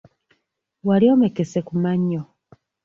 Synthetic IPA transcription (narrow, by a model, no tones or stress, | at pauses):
waliomekesekumaɲːo